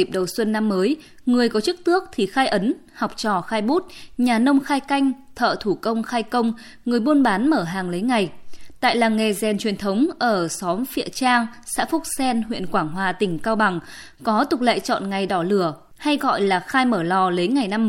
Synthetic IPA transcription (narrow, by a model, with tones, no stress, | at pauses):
i˨˩p̚ɗə˨˩wswə˧nːa˧mːəː˨˦j | ŋɨ˨˩əjkɔ˨˦t͡ɕɨ˦˥k̚t̪ɨ˦˥ək̚t̪ʰi˨˩xaː˧jʔə˨˦n | ha˨˩wk͡p̚t͡ɕɔ˧˩xaː˧jɓu˦˥t̚ɲaː˨˩nə˧wŋ͡mxaː˧jka˧jŋ̟t̪ʰə̰ː˧˨t̪ʰu˧˩kə˧wŋ͡mxaː˧jkə˧wŋ͡m | ŋɨ˨˩əjɓu˧ənɓaː˨˦nməː˧˩ɦaː˨˩ŋlə˨˦jŋa˨˩jt̪a̰ː˧˨jlaː˨˩ŋːe˨˩zɛ˨˩nt͡ɕwi˨˩ənt̪ʰə˨˦wŋ͡mʔəː˧˩sɔ˨˦mfḭ˧˨ət͡ɕaː˧ŋ | sa̰ː˧˥fʊ˦˥k͡p̚sɛ˧nɦwḭ˧˨ənkwaː˧˩ŋɦwaː˨˩t̪ï˧˩ŋ̟kaː˧wɓa˨˩ŋ | kɔ˨˦t̪ʊ˨˩k͡p̚lə̰ː˧˨jt͡ɕɔ̰˧˨nŋa˨˩jɗɔ˧˩lɨ˧˩ə | ha˧jɣɔ̰˧˨jlaː˨˩xaː˧jməː˧˩lɔ˨˩lə˨˦jŋa˨˩jna˧mː